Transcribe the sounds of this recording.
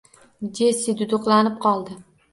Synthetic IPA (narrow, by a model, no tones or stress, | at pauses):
d͡ʒesid̪ʊd̪oqlˠanɪp̚qʰɒlˠd̪ɪ